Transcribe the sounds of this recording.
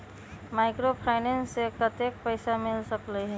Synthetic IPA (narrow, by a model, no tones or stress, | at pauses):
maɪkɾopʰaɪnensːekət̪ek̚pəɪsamɪlsəklɛɦɛ